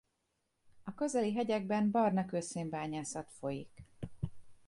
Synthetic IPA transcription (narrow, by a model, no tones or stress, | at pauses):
ɒkø̞zɛliɦɛɟɛɡ̚bɛmbɒrnɒkøːseːmbaːɲaːsɒt̪fo̞jik